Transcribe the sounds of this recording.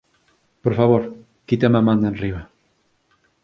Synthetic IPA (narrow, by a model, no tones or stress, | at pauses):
poɾfaβoɾ | kit̪emamãnd̪anriβa